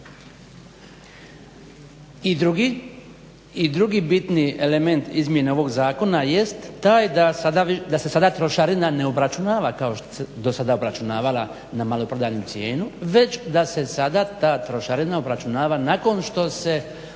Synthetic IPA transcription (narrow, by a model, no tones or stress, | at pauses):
iɾuɡi | id̪ɾuɡibit̪nie̞le̞me̞nt̪izmje̞neo̞ʋo̞ɡzaːko̞naje̞st̪ːaːjd̪asad̪aid̪ase̞sad̪at̪ɾo̞ʃaɾinane̞obɾat͡ʃunaːʋakaoʃt̪o̥sed̪o̞sad̪aobɾat͡ʃunaːʋalˠa | namalopɾod̪aɲut̪sje̞ːnuʋe̞t͡ɕd̪ase̞sad̪at̪aːt̪ɾo̞ʃaɾinaobɾat͡ʃunaːʋanako̞nʃt̪o̞se̞